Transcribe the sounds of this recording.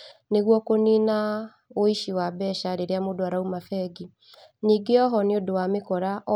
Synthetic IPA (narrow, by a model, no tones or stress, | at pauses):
neɣwɔkoniːna | oiʃiwabɛʃaɾeɾeamodoaɾaumafɛɡi | niːɡeɔɦɔneodowamekɔɾaʔ